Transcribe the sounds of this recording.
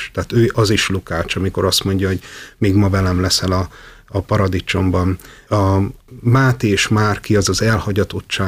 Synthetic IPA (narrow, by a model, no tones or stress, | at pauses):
ʃt̪ɛːt̪øːʔɒziʃlukaːt͡ʃɒmiko̞ɾɒst̪mo̞ɲɟɒɦo̞ɟmeːɡmɒvɛlɛmlɛsɛlɒː | pɒɾɒd̪it͡ʃo̞mbɒn | ɒmaːt̪eːʃmaːrkiɒzɒzɛlhɒɟɒt̪o̞t͡ʃt͡ʃːaː